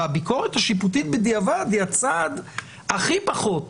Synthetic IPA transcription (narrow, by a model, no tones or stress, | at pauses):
abiko̞ʁet̪haʃiput̪̬it̪̚bed̪iavad̪hiat͡sad̪ | aχipaχo̞t̪